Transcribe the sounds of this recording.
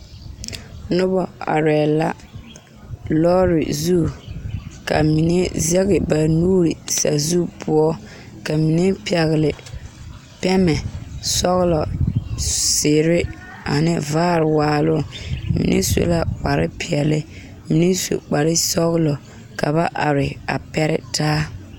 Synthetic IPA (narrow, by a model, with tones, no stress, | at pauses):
nʊ˦bɔ˨a̰˨ɾɛː˨la˦ | lɔː˦ɾɪ̰˨zu˦ | ka̰˨mi˨ne˦zɛ˦ɣɪ˨ba˨nuː˦ɾi˨sa̰˨zu˦pʰʊ˦ɔ˦ | ka˨mi˨ne˦pɪ˨ɛ˨ɣɪ˨lɪ˨ | pɛ˦mɛ˨sɔ˦ɣlɔ˨ | sɪ˨ɾɪ˦ | a˨nɪ˦vaː˦ɾɪ˨waː˨lʊ˦mḭ˨nʔḛ˦so̰˨la˦k͡pa˨ɾɪ˦pɪ˨ɛ˨lɪ˦ | mi˨ne˦so̰˨k͡pa˨ɾɪ˦sɔ˦ɣlɔ˨ | ka˨βa˦ʔa˨ɾɪ˨a̰˨pɛ˦ɾɪ̰˦tʰaː˦